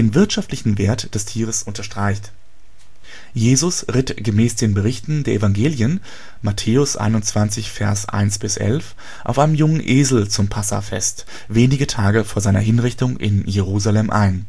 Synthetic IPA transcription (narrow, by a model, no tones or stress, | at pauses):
deːnvɪɐtʃaftlɪçn̩veːɐtd̥ɛstʰiːʁ̞əsʔʊntɐʃtʁ̥aɪçt | jeːzʊsʁɪtɡ̥əmɛːsd̥eːnbəʁɪçtn̩deːɐʔevaŋɡeːljən | matʰeːʊsʔa̰ɪnʊnt͡sv̥ant͡sɪçfɛɐsʔa̰ɪnsb̥ɪsʔɛ̰lf | ʔa̰ʊfaɪnəmjʊŋənʔeːzl̩t͡sʊmpʰasa̰fɛ̰st | veːnɪɡətʰaːɡəfoːɐzaɪnɐ̰ɦɪnʁɪçtʊŋʔɪ̰njeʁ̞uːzalɛmʔa̰ɪn